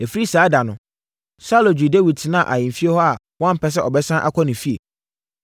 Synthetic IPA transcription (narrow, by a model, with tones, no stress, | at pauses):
e˨fi˦ɾi˦saː˨˦da˨nʊ̃˨ | sa˦lo˨d͡ʑᶣi˨de˦wi˨d̚tnã˦˨ʔa˨ɲɪ̃˨m̩˨fi˦e˦hɔ˦a˨ | wɔ̃˦m̩˨pɛ˦s̬ɛ˦ɔ˨bɛ˦sã˦ʔa̰˦kʰʷɔ˦nɪ̃˨fi˦ḛ˨